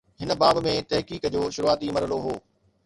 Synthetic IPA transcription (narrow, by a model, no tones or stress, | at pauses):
ɦɪnə̆baːbmẽt̪ɐɦkiːkd͡ʑoːʃʊɾuaːt̪imɐɾəloɦoː